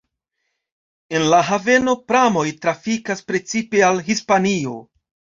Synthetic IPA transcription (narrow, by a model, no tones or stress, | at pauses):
e̞nlaɦave̞no̞pɾamo̞jtɾafikaspɾe̞t͡sipe̞alɦispanio̞